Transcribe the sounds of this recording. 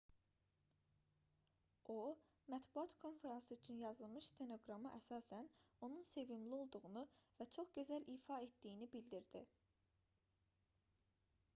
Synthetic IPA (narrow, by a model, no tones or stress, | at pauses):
ʔo̞ | mæt̪buɑt̪kʰo̞nfe̞ɾɑnsɯyt͡ʃʰynjɑzɯlˠmɯʃst̪ʰeno̞ɡɾɑmɯʔæsɑːsæno̞nunse̞vimlio̞lˠd̪uɣunuvæt͡ʃʰo̞χɟøzælʔiːfɑe̞t̪d̪ijinibild̪iɾd̪i